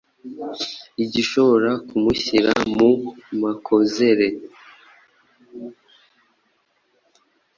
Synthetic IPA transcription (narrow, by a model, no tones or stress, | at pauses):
iɟiʃo̞βo̞ɾakumuçiɾa̰mumakʰo̞ze̞ɾe̞